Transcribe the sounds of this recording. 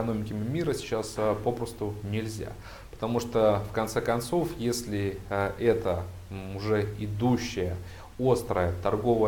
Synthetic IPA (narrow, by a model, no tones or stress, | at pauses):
ɐno̞mʲɪkʲɪmʲɪmʲiɾəsʲɪ̥t͡ɕaspo̞pɾəst̪ʊnʲɪlʲzʲa̰ | pə̥t̪ɐmuʂt̪ofkɐnt̪sɛkɐnt̪so̞fjesʲlʲɪʔɛt̪ə | ʊʐɛɪd̪uɕːɪjə | o̞st̪ɾəjət̪ɐrɡo̞və